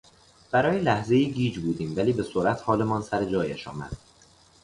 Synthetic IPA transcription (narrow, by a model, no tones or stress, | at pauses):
b̥æɾɒːjelæhze̞jiːɡiːd͡ʒbuːd̪iːmvæliːbe̞soɾʔæt̪ʰhɒːle̞mɒːnsæɾed͡ʒɒːjeʃɒ̰ːmæ̰d̪̥